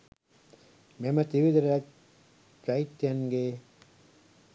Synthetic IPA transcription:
memɐt̪iʋid̪ɐɾɐ | t͡ʃɐit̪jɐŋɡe

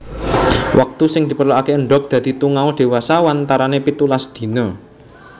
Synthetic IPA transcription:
wʔak̚t̪usɪŋd̪̥i̤pərloakeəɳɖɔk̚d̪̥ä̤d̪̥i̤t̪uŋaod̪̥e̤wasawant̪aɾanepit̪ulasd̪̥i̤nɔ

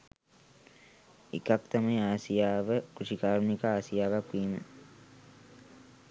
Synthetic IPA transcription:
ikakt̪aməjaːsijaːʋəkɾuʂikaːɾnikaaːsijaːʋakʋiːmə̰

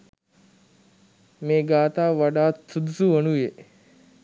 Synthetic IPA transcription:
meːɡaːt̪aːʋʋaɖaːtsud̪usuʋənue

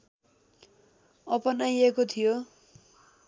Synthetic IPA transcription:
ʌpʌnajekot̪ʰijo

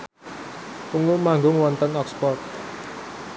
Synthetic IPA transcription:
puŋumaŋɡʊŋwɔnt̪ənɔkspɔrt̪̚

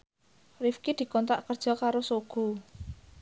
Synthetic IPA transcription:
rifkid̪̥i̤kɔnt̪aʔkərd̥ʒ̥ɔ̤kaɾosoɡ̥u

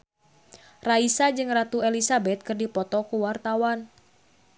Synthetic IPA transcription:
raisad͡ʒɨŋrat̪uelisabɛt̪̚kɨrdipɔt̪ɔkuwart̪awan

